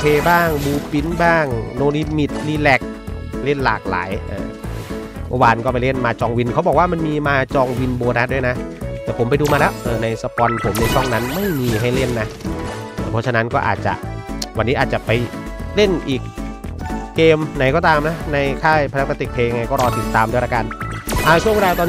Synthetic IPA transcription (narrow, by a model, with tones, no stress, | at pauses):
pʰeː˧baː˥˩ŋbuː˧pi˧˥nbaː˥˩ŋnoː˧li˧mi˨˩t̪̚li˧lɛ˨˩k̚le˥˩nla̰ː˨˩k̚la̰ː˩˦jʔɤː˧˩ | mɔ˧waː˧nkɔː˥˩pa˧jle˥˩nmaː˧t͡ɕɔː˧ŋwi˧nkʰa˦˥wbɔː˨˩k̚waː˥˩ma˧nmiː˧maː˧t͡ɕɔː˧ŋwi˧nboː˧t̪ʰa˦˥du˥˩˨jna˦˥t̪ɛː˨˩pʰo˩˦mpa˧jduː˧maː˧lɛː˦˥wʔɤː˧˩na˧jsa˧pɔː˧npʰo˩˦mna˧jtʰɔ˥˩ŋna˦˥nma˥˩jmiː˧ɦa˥˩jle˥˩nːaː˦˥˨ | pʰɔ˦˥t͡ɕʰa˧na˦˥nkɔː˥˩ʔa̰ː˨˩t̪̚t͡ɕa̰˨˩ʔwa˧nːiː˦˥ʔːt̪̚t͡ɕa˨˩pa˧jle˥˩nʔiː˨˩k̚ː | eː˧mna˨˩˦jkɔː˥˩t̪aː˧mna˦˥na˧jkʰaː˥˩jpʰa˧ɾa˦˥k̚pa˧t̪i˨˩pʰeː˧ŋa˧jkɔː˥˩ɾɔː˧t̪ʰi˨˩t̪ːaː˧mdɾaː˧ka˧nʔa˧˩t͡ɕʰu˥˩ŋ˧ɾaː˧˨t̪ɔː˧n